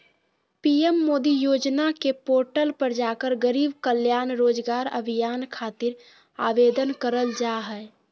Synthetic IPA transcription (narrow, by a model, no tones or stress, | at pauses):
piemːoːd̪ijoːd͡ʒnakepoːɾʈəlpəɾd͡ʒaːkəɾɡəɾiːbkəljaːnɾoːd͡ʒɡaːɾə̰bʱijaːnkʰaːt̪ɪɾ | aːʋed̪ənkəɾəld͡ʒaɦɛ